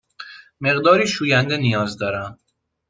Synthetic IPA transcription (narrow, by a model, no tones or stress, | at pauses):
me̞ɣd̪ɒːɾiːʃuːjænd̪e̞nijɒːzd̪ɒːɾæm